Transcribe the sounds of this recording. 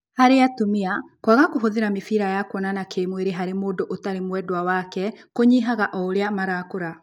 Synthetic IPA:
haɾeatomeakwaɣakoɦoðeɾamefiɾajakwɔnanakʰeːmweɾeɦaɾemoːndoʔotaɾemwɛdwawakɛkoɲiɦaɣaʔɔoɾeamaɾakoɾa

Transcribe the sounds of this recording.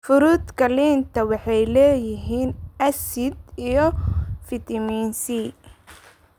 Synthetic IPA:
fʊɾuːd̪kʰɐliːnt̪ʰɐwɑħɑjlɛːjɪɦiːnɐsɪd̪ijɞfɪt̪ʰɐmiːnsi

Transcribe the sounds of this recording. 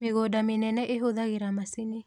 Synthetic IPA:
meɣodamɪnɛnɛʔeɦoðaɣeɾamasine

